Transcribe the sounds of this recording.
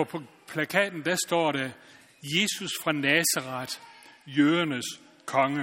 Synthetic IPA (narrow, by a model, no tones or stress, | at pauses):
ɒ | pʰlækʰɛ̰ːd̥n̩d̥æsd̥ɒ̰ːɾæ | je̝ːsusfʁɑ̈nɛːsɑʁɑd̥jøːɐnəs | kʰɒ̽ŋə